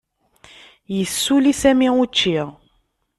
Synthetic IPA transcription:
jəsːulisæmiut͡ʃːiʁ

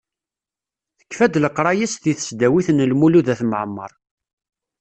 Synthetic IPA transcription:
θə̥kːfæd̪ləqːɾˤɑjæst̪iθə̥sd̪æwiθənəlmuluðæθməʕəmːə̰ɾˤ

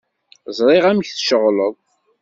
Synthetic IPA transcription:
zˤɾˤɪʁæmçθʃəʁləðˤ

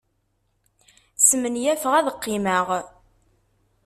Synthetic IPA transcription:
səmənjæfəʁæðəqːɪməʁ

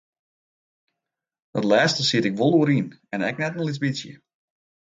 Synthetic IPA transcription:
ətlɛːstəsiətɪkʋolˠuəɾinɛnɛk̚nɛtn̩lit͡sbisjə̰

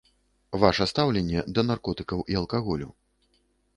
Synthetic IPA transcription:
vaʂɐst̪awlʲɛnʲːɛd̪ɐnarkɔt̪ɨkɐwʔiɐlˠkaɣɔlʲṵ

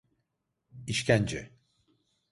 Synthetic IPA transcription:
iʃcʰænd͡ʒɛ

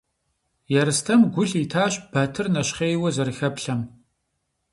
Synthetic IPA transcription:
jɛɾɨstʰɐmɡʷʊɬitʰaːɕb̥ɐtʰɨrnɐʃχeːjwɐzɐrxɐpɬɐm

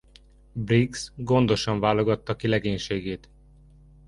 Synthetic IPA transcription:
briksɡo̞nd̪o̞ʃɒɱvaːlo̞ɡɒt̪ːɒkilɛɡeːɲʃeːɡeːt̪

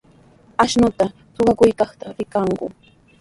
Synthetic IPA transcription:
aʃnʊt̪a | t͡sʊɢɑkʊjkɑχt̪aɾɪkɑɴɢʊ̰

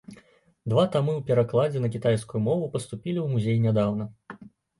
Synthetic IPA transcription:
d̪vat̪amɨwpʲɛɾaklˠad͡zʲɛnɐkʲit̪ajskujumɔvupɐst̪upʲilʲiwmuzʲejnʲad̪awnɐ

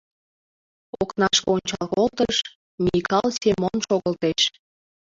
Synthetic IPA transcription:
oknɑʃkonʲt͡ɕɑ̰lkolt̪əʃ | mʲikɑlsemonʃoɣəlt̪eʃ

